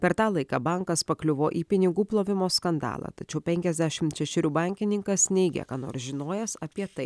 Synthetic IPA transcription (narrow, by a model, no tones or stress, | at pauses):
pʲɛɾt̪ɑːlˠɐɪkɑːbɐŋkɐspɐklʲʊʋoːʔiːpʲɪnʲɪɡuːplˠoːʋʲɪmoːskɐnd̪ɑ̰ːlˠɑ̰ːt̪ɐt͡ʃʲɛʊpʲɛŋʲkʲɛzʲd̪ʲæʃʲɪmt̪ʃʲɛʃʲɪɾʲuːbɐŋʲkʲɪnʲɪŋkɐsnʲɛɪɡʲɛ̰kɑːno̰ːɾsʒʲɪnoːjɛsɐpʲiɛt̪ɐɪ